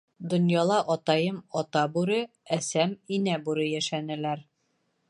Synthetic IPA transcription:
d̪ŏnjɑlˠɑʔɒt̪ɑjɤmɒt̪ɑbuɾɤ | æsæminæbuɾɤjæʃænɘ̆læɾ

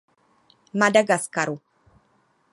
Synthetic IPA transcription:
mɐd̪ɐɡɐskɐɾu

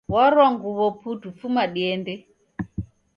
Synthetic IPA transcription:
wɔɾɔŋɡuβɔpʰutufumaɗiɛndɛ

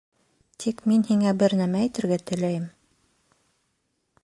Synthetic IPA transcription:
t̪ʰikminhiŋæbɘɾnæmæĭt̪ɘ̆ɾɡæt̪ɘ̆læjɘm

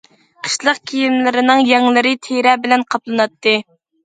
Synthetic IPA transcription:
qʰə̥ʃlˠəq̚kʲʰijimlɪɾɪnɪŋjɛŋlɪɾɪt̪ʰeɾɛbɪlɛnqʰɑplˠɨnɑt̪ːɨ

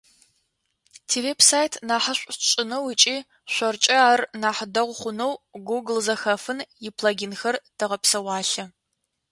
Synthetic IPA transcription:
tʰeːveːpsaːjtʰnaːħɐɕʷʼɕʼɪnɐwɪt͡ʃʼiː | ʃʷɔrt͡ʃʼɐaːrnaːħdɐʁʷχʷʊnɐwɡuɡlzɐxɐfɨnjɪpʰlaɡʲɪnxɐrd̥ɐʁɐpsɐwɑːɬɐ

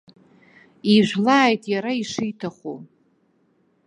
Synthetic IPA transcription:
iʒʷlaːjtʼjaɾaiʂɨjtʰaχu

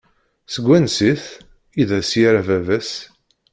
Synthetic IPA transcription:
səɡʷːænsiθ | iðæsjiɾævævæs

